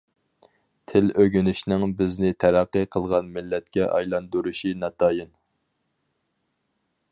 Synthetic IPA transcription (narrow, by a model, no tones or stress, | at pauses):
t̪ʰɪløɡʲynɪʃnɪŋbɪznɪt̪ʰæɾæqːɨqʰəlˠʁɑnmɪlːɛt̪̚kʲɛʔɑ̰jlˠɑnd̪uɾuʃinɑt̪ʰɑːjɨn